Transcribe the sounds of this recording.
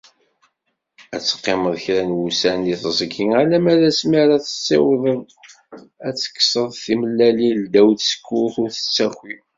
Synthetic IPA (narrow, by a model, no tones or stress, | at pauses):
æt͡sːə̥qːeməðˤçɾænwusæniθzˤəɡiŋalæmæɾæsmiɾaθə̥t͡sːḭwðˤəðˤ | æt͡sːə̥kːsəðˤθiməlːælild̪æwθsə̥kːʊθʊɾθə̥t͡sːæxi